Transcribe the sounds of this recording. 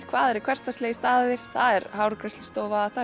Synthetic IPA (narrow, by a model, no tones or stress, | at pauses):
kʰv̥aːðɛɾɛkʰvɛr̥t̪asleːjst̪aːðɪɾ̥θaðɛɾɦawɾkɾɛst̪lst̪oːwvaaθa